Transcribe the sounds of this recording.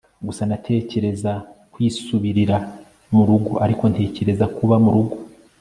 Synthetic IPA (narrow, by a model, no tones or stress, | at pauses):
ɡusanatʰe̞ːce̞ɾe̞zakwiːsuβiɾiɾa | muɾuɡoaɾiko̞ntʰe̞ːce̞ɾe̞zakuβamuɾuɡo